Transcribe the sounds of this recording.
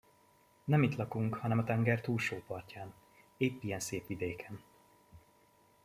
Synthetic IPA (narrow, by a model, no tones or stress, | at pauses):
nɛmit̪lɒkuŋkhɒnɛmɒt̪ɛŋɡɛrt̪uːlʃoːpɒrcaːn | eːpːijɛnseːpʋid̪eːkʰɛn